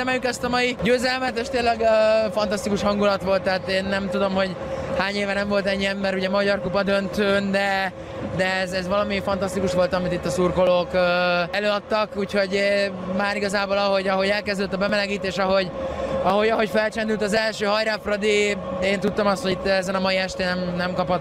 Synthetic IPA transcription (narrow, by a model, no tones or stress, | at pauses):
ɛmɛljykɛst̪ɒmɒjiɟøːzɛlmɛt̪eːʃt̪eːlɛɡøfɒnt̪ɒst̪ikuʃhɒŋɡulɒt̪ʋo̞lt̪ːɛat̪eːnːɛmt̪ud̪o̞mɦo̞ɟ | haːɲeːvɛnɛɱvo̞lt̪ɛɲːiɛmːɛɾuɟɛmɒɟɒrkupɒd̪ønt̪øːnd̪ɛ | d̪ɛɛzɛzʋɒlɒmifɒnt̪ɒst̪ikuʃʋo̞lt̪ɒmit̪it̪ːɒsuːrko̞loːkøɛløːɒt̪ːɒkuːcho̞ɟmaːɾiɡɒzaːbo̞lɒɦo̞ɟɒɦo̞ɟɛlkɛzd̪øt̪ːɒbɛmɛlɛɡiːt̪eːʃɒɦo̞ɟɒɦo̞ɟɒɦo̞ɟfɛlt͡ʃɛnd̪ylt̪ɒzɛlʃøːɦɒjɾafrɒd̪ieːnt̪ut̪ːomɒst̪ho̞ɟit̪ːɛzɛnɒmɒjiɛʃt̪eːnɛmnɛmkɒpɒt̪